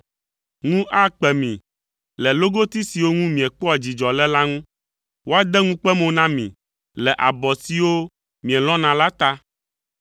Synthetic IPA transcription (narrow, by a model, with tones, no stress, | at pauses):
ŋũ˦ʔa˦k͡pɛ˨mḭ̃˨ | lɛ˨lo˦ɡo˦t̪i˦si˨wo˦ŋũ˦mĩ˨ɛ˨k͡pɔ˦a˨d͡ʑi˨d͡ʒɔ˨lɛ˦la˦ŋũ˦ | wo˦a˦d̪ɛ˦ŋũ˦k͡pɛ˦mõ˦nã˦mḭ̃˨ | lɛ˨ʔa˨bɔ˨si˨wo˦ | mĩ˨ɛ˨lɔ̃˦nã˨la˦t̪a˦